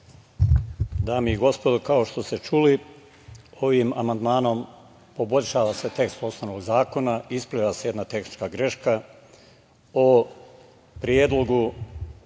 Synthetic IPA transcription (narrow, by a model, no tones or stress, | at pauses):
d̪aːmiiɡo̞spo̞d̪okaoʃt̪o̞st̪e̞t͡ʃuli | o̞ʋima̰mand̪maːno̞m | po̞bo̞ʎʲʃaːʋase̞t̪e̞kst̪o̞snoʋnoɡzaːko̞naispliʋaseje̞d̪nat̪e̞xni̥t͡ʃkaɡɾe̞ʃka | o | pɾjeːd̪lˠo̞ɡu